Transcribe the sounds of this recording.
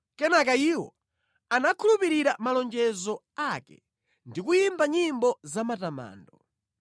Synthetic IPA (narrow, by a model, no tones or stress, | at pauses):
kɛnakaiwɔ̰ | anakʰulupiɾiɾamalɔnd͡ʒɛzɔ | akɛ̰ | ndikujimbaɲimbɔzamatama̰ːndɔ